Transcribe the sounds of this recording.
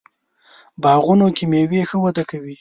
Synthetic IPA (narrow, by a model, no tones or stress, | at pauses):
bɑɣunokimewexəwad̪akawi